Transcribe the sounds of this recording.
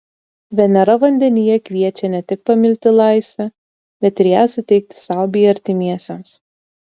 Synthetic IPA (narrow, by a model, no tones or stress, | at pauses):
ʋʲɛnʲɛɾɐʋɐnʲd̪ʲɛnʲɪjɛkʲʋʲiɛt͡ʃʲɛnʲɛt̪ʲɪk̚pɐmʲɪlʲt̪ʲɪlˠɑˑɪsʲʋʲɛ | bʲɛt̪ɪɾjæːsʊt̪ʲɛɪk̚t̪ʲɪ̥sɑˑʊbʲɪɐɾʲt̪ʲɪmʲiɛsʲɛms